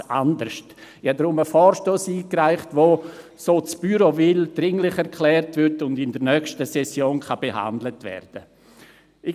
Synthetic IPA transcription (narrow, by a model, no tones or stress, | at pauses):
a̰ndəɾʃtɪhadɾʊməfɔːɾʃtoːsiːkraɪχtʋo | soːt͡sb̥yɾovɪld̥ɾɪŋlɪχɛɾkʰlɛːrtvɪɾtʊndɪndəɾnœkʃtəsɛsjoːnkʰab̥eɦa̰ndlətvɛ̰rd̥ə | ɪ